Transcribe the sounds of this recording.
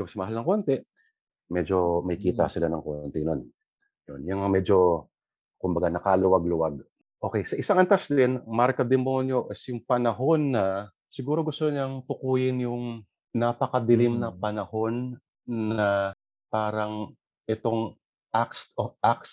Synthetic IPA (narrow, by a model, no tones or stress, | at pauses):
ɐsɐmɐhalnɐŋko̞nt̪ɛ | mɛd͡ʒo̞mɐjkiːt̪ɐ̰sɪlanɐŋko̞nt̪ɛnon | jonjaŋɐmɛːd͡ʒo̞ | kʊmbɐɡanɐkalʊwɐɡ̚lʊwaɡ̚ | ʔo̞ːkɛjsɐʔɪsaŋɐnt̪asd̪ɪnmaɾkɐd̪ɛmonjoʔɪsjʊŋpɐnɐɦo̞nːɐ | sɪɡuːɾo̞ɡʊst̪oɲɐŋt̪ʊkuːjɪnjʊŋ | napɐkɐd̪ɪlɪmnɐpɐnɐho̞nː | ɐ | paːɾɐŋ | ʔɛt̪o̞ŋ | ʔakst̪oʔaks